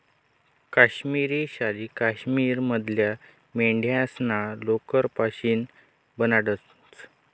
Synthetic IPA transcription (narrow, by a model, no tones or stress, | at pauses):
kaɕmiɾiːɕalikaɕmiːɾməd̪ʱlja | meɳɖʱjãsnalokəɾpaɕiːn | bənaɽə | t͡s